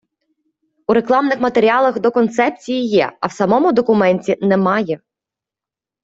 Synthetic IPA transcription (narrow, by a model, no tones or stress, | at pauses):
uɾeklˠɑmnɪxmɐt̪eɾʲiɑlˠɐxd̪ɔkɔnt̪sɛp̚t͡sʲijijɛ̰ɐ̰wsɐmɔmʊd̪ɔkʊmɛnʲtʲinɛmɑjɛ